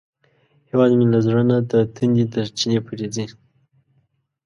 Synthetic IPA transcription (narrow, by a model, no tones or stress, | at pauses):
hewɑzmilazɾanad̪ət̪ʰund̪id̪ət͡ʃinepʰuɾed͡zi